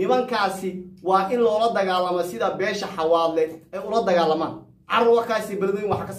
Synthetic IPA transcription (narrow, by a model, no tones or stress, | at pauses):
nɪmɐŋkʰaːsɪwɑːʔɪnlɔːlɐd̪ɐɣaːlːɐmɔsɪðɐbɛːʃɐħɑwaːd̪lɛɛjʊlɐd̪ɐɣaːlɐma̰ːn | ʕɑrʊwɑrkʰaːsibɐlɐðɔjɪnwɑħakʰɐs